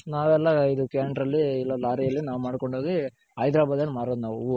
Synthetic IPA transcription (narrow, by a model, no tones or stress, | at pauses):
naːʋɛlːɐid̪ukaːɳɖɾɐlːiːlːɐlaːɾijɐlːinaːʋumaːɽko̞ɳɖʱoɡi | ɦɐjd̪ɾaːbaːd̪nɐlːimaːɾoːd̪unaːʋuu